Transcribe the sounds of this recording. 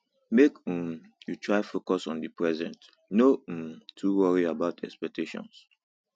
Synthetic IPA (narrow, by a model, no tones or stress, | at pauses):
mekũm | jutʰɹaɪfokɔsɔ̃ndipʰɹɛzɛ̃nt | nõtʰuwɔɹiabaʊtʰɛkspɛk̚tʰeʃɔ̰̃ns